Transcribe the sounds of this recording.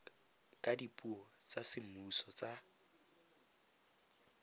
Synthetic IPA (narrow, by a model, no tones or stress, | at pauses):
kʼadipʼuɔt͡sʼasɪm̩usɔt͡sʼa